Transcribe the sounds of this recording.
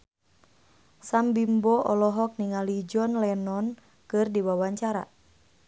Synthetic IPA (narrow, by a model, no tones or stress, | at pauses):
sambimbɔʔɔlɔɦɔk̚niŋalid͡ʒɔnlɛnɔn | kɨrdiwawaɲt͡ʃaɾa̰